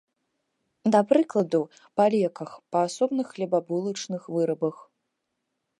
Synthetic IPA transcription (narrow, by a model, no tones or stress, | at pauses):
d̪ɐpɾɨklˠɐd̪u | palʲɛkɐxpɐasɔbnɨxːlʲɛbabulˠɐt͡ʂnɨxvɨɾɐbɐx